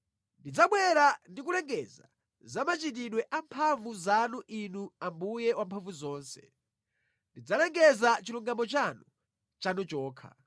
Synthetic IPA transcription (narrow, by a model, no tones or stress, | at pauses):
ndid͡zaɓwɛɾandik̬ulɛŋɡɛza̰ | zamat͡ʃit̬iɗwɛʔampʰaɱvuzanuʔinuambujɛwampʰaɱvuzɔːnsɛ̥̰ | ndid͡zalɛŋɡɛzat͡ʃiluŋɡamɔt͡ʃanu | t͡ʃanut͡ʃɔːkʰa̰